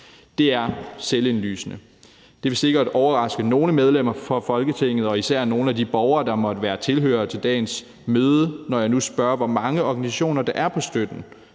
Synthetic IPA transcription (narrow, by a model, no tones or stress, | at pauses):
d̥e̝æɐsele̝nly̰ːsənə | d̥e̝ʋe̝se̝ɡ̥ɐd̥ɒʊɐʁɑ̈sɡ̥əno̝ːləmeð̞ˠlem̰ɐfɒ̽fɒ̽lɡ̥ət͡sʰe̝ŋ̰ð̩ˠɒ̽isæɐ̰no̝ːn̩ædib̥ɒʊɐːd̥ɑ̈mɒ̽d̥əʋæːɐt͡sʰe̝lɦø̰ːɐt͡sʰe̝ld̥ɛ̰ːns | møːð̞ˠənɒjɑ̈ɪnusb̥ɶɐʋɒmɑ̈ŋəɒɡ̥ænisæɕo̝̰ːnɐd̥ɑ̈ʔæɐpʰɒ̽sd̥ød̥n̩